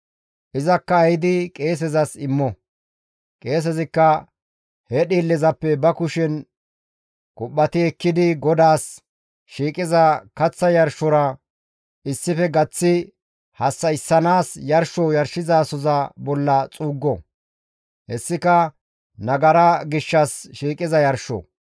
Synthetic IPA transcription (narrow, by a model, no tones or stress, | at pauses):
ʔɪzɐkːɐɐjɪd̪ɪkʼe̞ːs̬ɛzɐsɪmːɔ | kʼe̞ːs̬ɛzɪkːɐ | hɛɗiːlːɛzɐpːɛbɐkʊʃɛn | kʼʊɓːɐt̪ɪɛkːɪd̪ɪɡɔd̪aːs | ʃiːkʼɪzɐkɐt͡sːɐjɐɾʃɔɾɐ | ɪsːɪfɛɡɐt͡sːɪ | hɐsːɐɪsːɐnaːsjɐɾʃɔjɐɾʃɪzaːsɔzɐbɔlːɐt͡sʼuːɡːɔ | hɛsːɪkɐ | nɐɡɐɾɐɡɪʃːɐsʃiːkʼɪzɐjɐɾʃɔ̰